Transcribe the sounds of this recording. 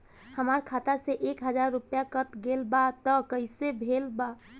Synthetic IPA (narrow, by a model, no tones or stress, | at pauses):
həmaɾkʰat̪aseʔekɦəd͡ʒaɾːupjakət̪ɡelbat̪əkəɪsebʱelba